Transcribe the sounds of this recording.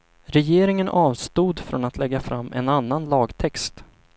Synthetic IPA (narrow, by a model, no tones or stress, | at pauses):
ɾɛjeːɾɪŋənʔɑːvst̪uːd̪fɾɔnat̪ʰlɛɡːafɾamːʔɛ̰nanːanlɑːɡt̪ʰɛkst̪